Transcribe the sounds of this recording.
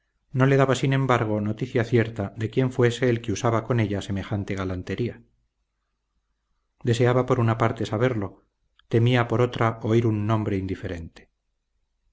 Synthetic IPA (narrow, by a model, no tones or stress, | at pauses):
no̞le̞ðaβasinẽ̞mbaɾɣ̞o̞no̞t̪iθjaθje̞ɾt̪aðe̞kje̞ɱfwe̞se̞ːlkeusaβako̞ne̞ʎase̞me̞xant̪e̞ɣalant̪e̞ɾia | d̪e̞se̞aβapo̞ɾunapaɾt̪e̞saβ̞e̞ɾlo̞ | t̪e̞miapo̞ɾo̞t̪ɾaʔo̞iɾunːõ̞mbɾe̞ind̪ife̞ɾe̞nt̪e̥